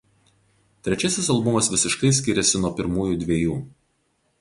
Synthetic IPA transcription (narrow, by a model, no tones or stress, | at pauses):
t̪ʲɾʲɛt͡ʃʲɛsʲɪsɐlˠbʊmɐsʋʲɪsʲɪʃkɐɪsʲkʲɪɾʲɛsʲɪnuɔpʲɪɾmuːjud̪ʲʋʲiːjuː